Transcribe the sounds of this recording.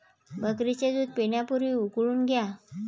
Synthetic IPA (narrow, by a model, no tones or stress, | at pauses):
bʱəkɾit͡ɕed̪uːd̪̚peɳjapuɾʋiːukɭuːnɡʱja